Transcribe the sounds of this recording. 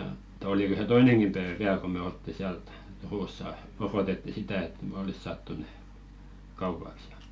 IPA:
ĕtː oliko se toineŋkim pæeʋæ ʋiæl ko me oltːi siæl t turusːɑ orotetːi sitæ et me olis sɑːtːu ne kɑupɑks jɑ

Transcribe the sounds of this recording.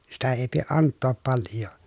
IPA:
sitæ eˑi pieʔ ʔɑntːoːp pɑljˑoː

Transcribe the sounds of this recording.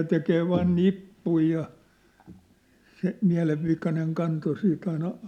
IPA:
tekeː ʋɑːn nipːui jɑ se miæ̝leʋːikɑneŋ kɑnto siːt ɑinɑ

